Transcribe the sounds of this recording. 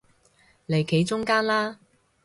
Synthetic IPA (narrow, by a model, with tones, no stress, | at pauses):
le˨˧jkʰe˨˥jt͡sʊ˥ŋkaː˥nlaː˥